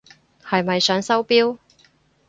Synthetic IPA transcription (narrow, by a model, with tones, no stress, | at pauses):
hɐ˨jmɐ˨jsœː˨˥ŋsɐ˥wpiː˥w